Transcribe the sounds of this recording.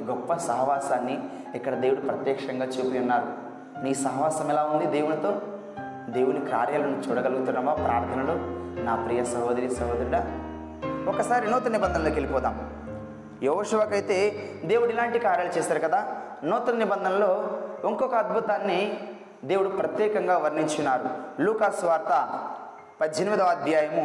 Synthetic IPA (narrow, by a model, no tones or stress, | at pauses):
ɡɔpːɐsɐɦɐʋaːsaːnːi | ikːɐɽɐd̪e̞ːwuɽupɾɐt̪jɛːkʂɐŋɡaːt͡ʃuːpujɐnːaːɾu | niːsɐɦɐʋaːsɐmɛlaːund̪id̪e̞ːwunit̪o̞ː | d̪e̞ːwunikaːɾjaːlɐnut͡ʃuːɽɐɡɐluɡut̪unːɐʋaːpɾʔa̰ːɾt̪ʰɐnɐloːnaːpɾiːjɐsɐɦoːd̪ɐɾijɐsɐɦoːd̪ɐɾiɽa | ɔkɐsaːɾinɔːt̪ɐnɐnibɐnd̪ʱɐnɐloːkelipɔːd̪aːm | jeɦoːʂuʋakɐjt̪e̞ː | d̪e̞ːwuɽilaːɳʈikaːɾjaːlɐt͡ʃɛːsaːɾukɐd̪aː | nɔːt̪ɐnɐnibɐnd̪ʱɐnɐloːoŋkɔkɐɐd̪̚bʱut̪aːnːi | d̪e̞ːwuɽupɾɐt̪jɛːkɐŋɡaːʋɐɾniɲt͡ʃunːaːɾuluːkaːsʋaːɾt̪ɐ | pɐd̪d͡ʒeniʋid̪ɐʋɐd̪ʱjaːjɐmu